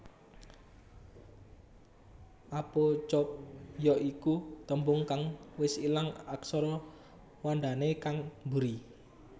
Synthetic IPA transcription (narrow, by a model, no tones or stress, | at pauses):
ʔapɔt͡ʃɔp̚jɔʔikut̪əmbʊŋkaŋwɪsilaŋaksɔɾɔ | wanɖ̪anekaŋbuɾi